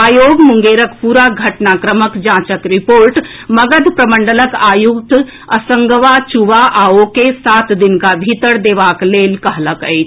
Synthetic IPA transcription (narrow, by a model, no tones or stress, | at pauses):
aːjoːɡmuŋɡeːɾəkpuːɾaɡʱɐʈnakɾəməkd͡ʒãːt͡ʃəkɾipoːɾʈ | mɐɡəd̪pɾɐməɳɖələkaːjukt̪ | əsəŋɡəʋat͡ʃuʋaʔaːokesaːt̪d̪inkabʱit̪əɽd̪eːʋaːkleːlkəɦləkəjt͡ʃʰ